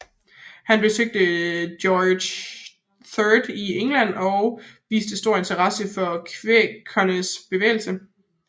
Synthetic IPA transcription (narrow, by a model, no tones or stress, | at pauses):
hænb̥e̝søɡ̥̚d̥əd̥jɒ̥ː | θœd̥ieŋlæn̰ɒʊʋḭːsd̥əsd̥o̝ɐ̰e̝nt͡sʰɐʁɑ̈səfɒ̽kʰʋekʰɒnəsb̥e̝ʋḛːl̩sə